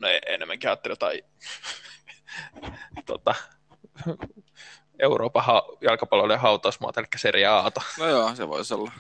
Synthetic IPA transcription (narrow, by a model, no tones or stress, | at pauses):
noeḛnːemːæŋkihɑːt̪ːelʲjot̪ɑi | t̪ot̪ɑ | eurʔoːpɑɑjɑlkɑpɑlːolːeɦɑut̪ɑusmuɑ̰ːt̪ɑelikːæ̥seriæɑːt̪ɑnojoːsḛʋo̰isolːɑ